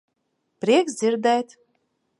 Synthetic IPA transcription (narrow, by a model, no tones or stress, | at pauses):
pɾʲiɛkzd̪zʲiɾd̪ɛjt̪